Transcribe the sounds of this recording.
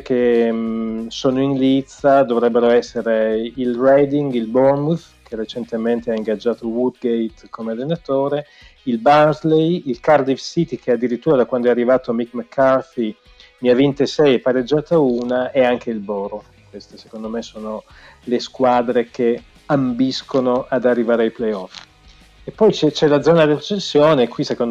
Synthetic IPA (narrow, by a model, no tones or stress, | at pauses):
ke | soːnoinlit̪sad̪ovɾɛbːeɾoɛsːeɾeilrɛjd̪iŋɡilbɔrmuf | kʰerːet͡ʃent̪ement̪eaiŋɡad͡ʒːaːt̪owud̪ɡejt̪kʰomealːenat̪oːɾe | ilbanzlejilkard̪ivsit̪ik̟ʰead̪ːiɾit̪ːuːɾad̪akwand̪oɛarːivaːt̪omikmakʰːarfi | miavːint̪esɛjɛpːaɾed͡ʒːaːt̪auːnaeaŋk̟ʰeilbɔːɾo | kwest̪ese̥kond̪omesoːno | leskwaːd̪ɾeke | ambiskonoʔad̪arːivaːɾeajplejɔf | epːɔjt͡ʃɛt͡ʃɛlad̪zːɔːnad̪iret͡ʃensːjoːnekwisekond̪